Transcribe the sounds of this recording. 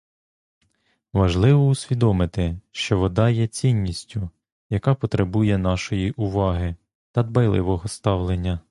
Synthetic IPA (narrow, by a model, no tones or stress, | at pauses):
ʋɐʒlˠɪʋɔusʲʋʲid̪ɔmɪt̪ɪʃt͡ʃɔʋɔd̪ɑjɛt͡sʲinʲːisʲtʲʊ | jɐkɑpɔt̪ɾebujɛn̪ɑʃɔjiʔʊʋɑɦɪ | t̪ɐd̪bɐjlˠɪ̰ʋɔɦɔst̪ɑwlˠenʲːɐ